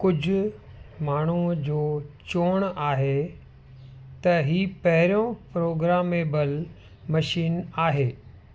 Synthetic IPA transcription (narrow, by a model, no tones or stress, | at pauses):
kʊd͡ʑʱʊ | maːɳ̤ud͡ʑoːt͡ɕoːɽ̃aːɦe | t̪ɐɦiːpɐɦɪɾijõpɾoːɡɾaːmebɐl | mɐʃiːnaːɦeː